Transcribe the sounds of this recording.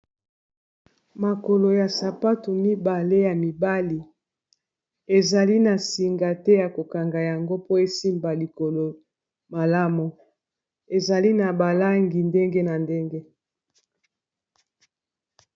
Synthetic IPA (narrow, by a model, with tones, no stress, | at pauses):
ma˨ko˨lo˨ja˨sa˨pa˦tu˨mi˦ba˨le˦ja˨mi˨ba˦li˨ | e˨za˨li˦na˨si˨ŋɡa˨tɛ˦ja˨ko˨ka˨ŋɡa˨ja˨ŋɡo˦po˦e˦si˦mba˨li˨ko˨lo˨ | ma˨la˦mu˨ | e˨za˨li˦na˨ba˨la˦ŋɡi˨nde˦ŋɡe˦na˨nde˦ŋɡe˦